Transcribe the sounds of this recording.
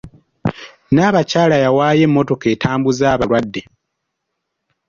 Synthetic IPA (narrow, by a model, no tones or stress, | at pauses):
naːβacaːlajawaːje̞mːo̞to̞ke̞ːtʰaːmbuzaːβalwadːe̞